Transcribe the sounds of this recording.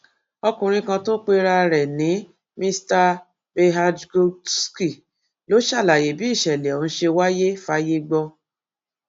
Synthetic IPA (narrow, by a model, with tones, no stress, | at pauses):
ɔ˧kũ˨ɾ̃ĩ˧kã˧to˦k͡pe˧ɾa˧ɾɛ˨nĩ˨˦ | mĩ˧sta˧ | be˧ɦa˧dɡo˧ski˦˨ | lo˨˦ʃa˦˨la˨je˨bi˨˦i˦˨ʃɛ˨lɛ˨ɔ̃˨˦ʃe˧wa˦je˦fa˦je˦ɡ͡bɔ˧